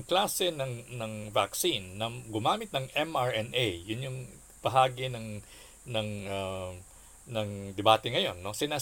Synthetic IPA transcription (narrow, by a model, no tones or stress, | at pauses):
ŋklaːsɛnɐŋnɐŋvaksinːɐɡʊmaːmɪt̪nɐŋʔɛmʔaɹɛnʔejjʊnjʊŋ | pɐɦaːɡɪnɐŋ | nɐŋa | nɐŋd̪ɛbaːt̪ɛŋɐjo̞nːo̞sɪnaː